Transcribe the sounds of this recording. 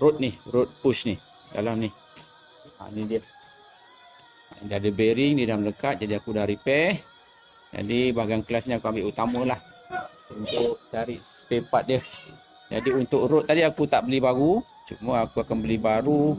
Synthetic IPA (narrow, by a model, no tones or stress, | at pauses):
ɾot̪̚nihrʊt̪̚pusnih | ja̰lahnih | a̰nidiə | diadəbeɾɪŋdiədamləkat̪̚d͡ʒadiakudahɾipɛh | d͡ʒa̰dibaɡaŋklasniakuambɪʔut̪amə̃lah | unt̪ʊʔt͡ʃaɾɪʔsə̥pepat̪̚diə | d͡ʒa̰diunt̪ʊkɾʊt̪̚ːadiakut̪aʔbəlibaɡu | t͡ʃuməakuakanbəlibaɾu